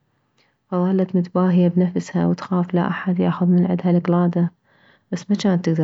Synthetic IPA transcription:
fɑðˤɑːlːat̪mʊt̪baːɦɪjabnafsha̰wɪt̪xaːfla̰ʔaħad̪ja̰ːxʊðˤmɪnʕɪ̰d̪halɪqlaːd̪a | b̥asːmat͡ʃaːnt̪ːɪɡd̪ɑ

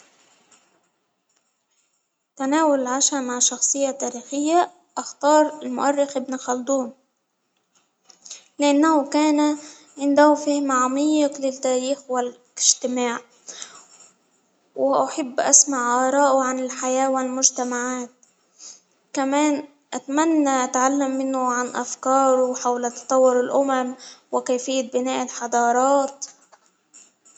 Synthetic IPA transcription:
t̪anaːwʊlɪlʕaʃamaʕʃɑxsˤɨjːat̪aːɾiːxɪjːa | ʔaxt̪ɑːɾˤɪlmʊ̰ʔarːɪxʔɪbnɪxɑld̪uːn | lɪʔanːahʊkaːna | ʕɪnd̪ahʊfɪhmaʕamɑjɪqlɪt̪ːaːɾiːxwɪl | ɪʒt̪ɪmaːʕ | wɪʔaħabːʔasmaʕʔɑːɾˤɑːʔʊʕanɪlħajaːwɪlmʊʒt̪amaʕaːt̪̚ | kamaːn | ʔat̪amanːaʔat̪ʕalːamːɪnʊʕanʔafkɑːɾˤʊħawlat̪ɑ̥t̪ˤɑwːʊɾɪlʔʊmamwɪkaːfɪjːabɪnaːʔɪlħɑd̪ˤɑːɾˤɑːt̪

